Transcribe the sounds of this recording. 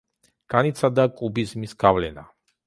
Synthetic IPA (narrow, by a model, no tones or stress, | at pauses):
ɡ̥anit̪sʰad̪akʼubizmisɡ̥avlɛna̰